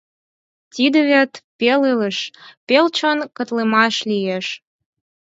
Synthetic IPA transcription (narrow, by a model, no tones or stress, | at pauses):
t̪ʲid̪ə̆βʲet̪pelelə̆ʃpelt͡ɕonkə̆t̪lemɑʃlʲijeʃ